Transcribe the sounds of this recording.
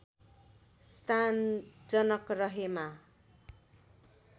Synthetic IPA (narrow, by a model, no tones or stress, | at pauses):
st̪ʰand͡zʌnʌkrʌɦema